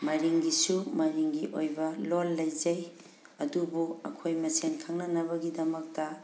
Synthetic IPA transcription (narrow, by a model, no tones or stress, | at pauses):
mɐɾiŋɡisumɐɾiŋɡiʔojbɐlolːɐjzɐj | ɐdubuɐ̰kʰojmɐsenkʰaŋnɐnɐbɐɡidɐmɐk̚tɐ